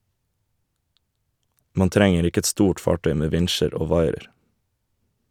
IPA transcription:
ˈmɑːn ˈtɾɛŋəɾ ˈɪkə ˈɛt ˈstuːʈ ˈfɑːˌʈœʏ ˈmeː ˈʋɪnʃəɾ ˈoː ˈʋɑɪəɾ

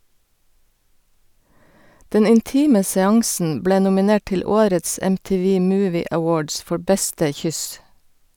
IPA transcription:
ˈdɛn ɪnˈtiːmə sɛˈɑŋsn̩ ˈbleː nʊmɪˈneːʈ ˈʈɪl ˈoːɾəts ɛmtiːˈʋiː ˈmʉːʋɪ əˈwoːɖs ˈfɔɹ ˈbɛstə ˈçʏs

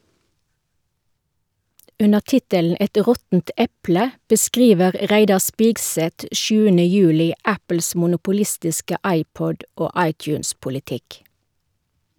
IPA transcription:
ˈʉnəʁ ˈtɪtəln̩ ˈɛt ˈʁɔtn̩t ˈɛplə bəˈskʁiːʋəʁ ˈʁæɪdɑ ˈspɪɡsɛt ˈʃʉːənə ˈjʉːlɪ ˈæpl̩s mʊnʊpʊˈlɪstɪskə ˈɑɪˌpɔd ˈoː ˈɑɪˌtjʉːnspʊlɪˌtɪk

